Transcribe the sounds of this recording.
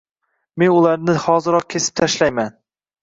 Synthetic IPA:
me̞nʊlˠaɾnɪhɒzɪɾɒq̚kʲʰesɪ̥p̚t̪ʰaʃlajman

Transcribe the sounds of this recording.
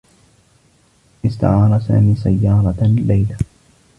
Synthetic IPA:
ʔɪst̪a̰ʕɑːɾˤɑsa̰ːmiːsajːɑːɾˤɑlajla

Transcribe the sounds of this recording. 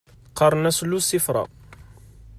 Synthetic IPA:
qːɑɾˤənæslːusːifɾˤɑ̰

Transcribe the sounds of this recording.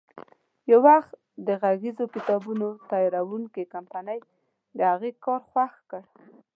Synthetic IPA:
jawaxt̪ | d̪əɣaɣizokɪt̪ɑbunot̪ɑjɑɾawuŋkikampanəj | d̪əhaɣekɑɾxwaxkəɽ

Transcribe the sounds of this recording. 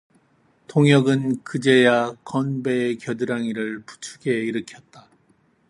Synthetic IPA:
tʰoŋjʌɡɯnkɯd͡ʑe̞jakʌnbe̞kjʌdɯɾaŋiɾɯɭpu̥t͡ɕʰuɡe̞iɾɯkʰjʌt̚t͈a

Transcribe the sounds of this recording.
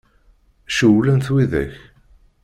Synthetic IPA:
ʃəwlænθwiðæ̰ç

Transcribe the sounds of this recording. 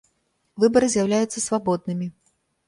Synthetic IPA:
vɨbɐɾɨzʲjawlʲajut̪sːɐsvabɔd̪̚nɨmʲi

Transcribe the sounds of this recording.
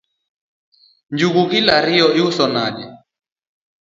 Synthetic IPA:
nd͡ʒuɣukilaɾiɔiusɔnaɲɛ

